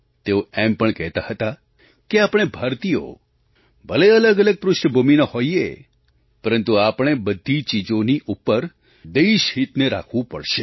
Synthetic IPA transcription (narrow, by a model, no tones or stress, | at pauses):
t̪eoɛmpəɳkɛɦt̪ahət̪a | keapɽ̃ebʱaɾt̪ijo̰ | bəleələɡələɡ̚pɾʊʃɳəbʱuminahoiḛ | pəɾənt̪uapɽ̃ebəd̪ʱːit͡ʃid͡ʒoniʔupːəɾ | d̪eiʃɦit̪neɾa̰kʰʋũpəɽʃe